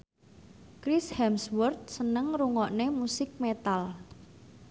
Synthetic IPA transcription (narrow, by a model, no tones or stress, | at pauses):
kɾishɛmswɔrt̪̚sənəŋɾuŋɔʔnemusɪk̚met̪al